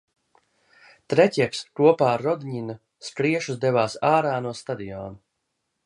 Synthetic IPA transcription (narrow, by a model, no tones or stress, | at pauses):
t̪ɾɛcʲikskuɔpaːɾːɔd̪ɲina | skɾiɛʃuzd̪ɛvaːsaːɾaːnuɔst̪ad̪iɔːnu